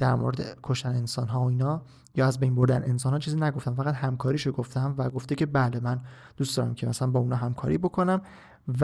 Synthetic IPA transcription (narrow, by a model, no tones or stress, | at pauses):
d̪̥æɾmo̰ɾed̪ekʰoʃt̪æneensɒːnɦɒːoiːnɒː | jɒːæzbejnbo̞ɾd̪ænensɒnhɒːt͡ʃʰiːziːnæɡo̞ft̪ænfæɣæt̪hæmkʰɒːɾiːʃoɡoft̪æmvæɡoft̪ecʰe̞bæle̞mæn | d̪uːstd̪ɒːɾæ̰mcʰemæsælænbɒːunɒːɦæmkʰɒ̰ːɾiːbo̞kʰonæm | v